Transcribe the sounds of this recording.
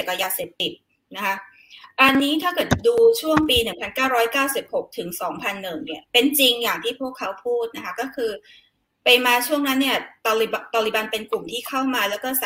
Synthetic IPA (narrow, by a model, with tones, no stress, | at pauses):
e˨˩k̚ːa˧jaː˧seː˨˩p̚t̪i˨˩t̪̚ | na˦˥kʰa˦˥ | ʔa˧nːiː˦˥t̪ʰaː˥˩kɤː˨˩t̪̚duː˧t͡ɕʰu˥˩əŋpiː˧nɯ˨˩ŋpʰa˧nkaː˥˩wɾɔː˦˥jkaː˥˩wsi˨˩p̚ho˨˩k̚t̪ʰɯ˩˦ŋsɔː˩˦ŋpʰa˧nːɯ˨˩ŋni˥˩ɐpe˧nt͡ɕi˧ŋjaː˨˩ŋt̪ʰiː˥˩pʰu˥˩əkʰːa˦˥wpʰuː˥˩t̪̚na˦˥kʰa˦˥kɔː˥˩kʰɯː˧ | pa˧jmaː˧t͡ɕʰu˥˩əŋna˦˥nːi˥˩ɐt̪ːlt̪ɔː˧li˨˩ba˧npe˧nklu˨˩mt̪ʰiː˥˩kʰa˥˩wmaː˧lɛː˦˥wkɔː˥˩s